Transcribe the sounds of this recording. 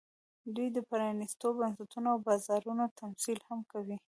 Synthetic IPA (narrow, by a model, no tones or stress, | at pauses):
d̪ujd̪əpaɾɑnist̪obansat̪unoawbɑzɑɾunot̪ʰamsilhamkawi